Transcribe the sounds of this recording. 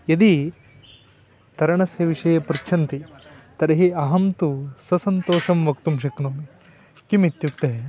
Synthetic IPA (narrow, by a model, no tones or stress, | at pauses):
jɐd̪i | t̪ɐɾɐɳɐsjɐʋiʂɐjɐpɾt͡ʃʰɐnt̪it̪ɐɾɐɦiɐɦɐmt̪usɐsɐnt̪oːʂɐmʋɐkt̪umʃɐknoːmi | kimit̪juk̚t̪ːɐɦe